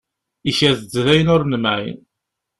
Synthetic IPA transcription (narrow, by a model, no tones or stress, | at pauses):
içæðd͡zðæjənʊɾnəmæʕj̰n